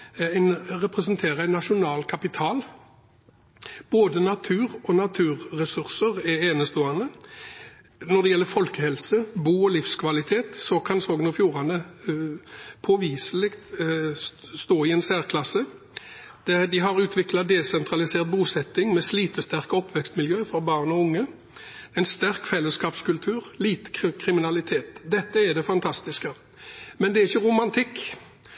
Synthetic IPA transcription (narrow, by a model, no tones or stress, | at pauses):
æɪnʁɛpʁɛsənt̪ʰeːʁəæɪnːɑʂʊnɑːlkʰɑpɪt̪ʰɑːl | b̥oːd̪ənɑt̪ʰʉːʁɔnɑt̪ʰʉːɾːɛsʉʁsəʁɛeːnəst̪oːɑnə | nɔd̪ɛjɛlːəɾfɔlkəhɛlsəbuːɔlɪfskʰʋɑlɪt̪ʰeːt̪sɔkʰɑnsoːɡənɔfjuːʁɑnə | pʰɔʋiːsəlɪkt̪ | st̪oːɪɛnsæːʁkʰlɑsə | d̪̥ɛd̪ɪɦɑʁʉːt̪ʰʋɪklɑd̪ɛsɛnt̪ɾʁɑlɪseːʁt̪̚buːsɛt̪ːɪŋmɛsliːt̪əst̪æʁkɔpːʋɛkst̪mɪljøːfɔbɑːʁnɔʊŋːə | ɛɪnst̪æʁkfɛlːəskɑːpskʉlt̪ʰʉːʁliːt̪əkʰɾɪmɪnɑlɪt̪ʰeːt̪d̪ɛt̪ːəɛd̪ɛfɑnt̪ʰɑst̪ɪskə | mɛnd̪ɛæɾɪçːəʁʊmɑnt̪ʰɪkː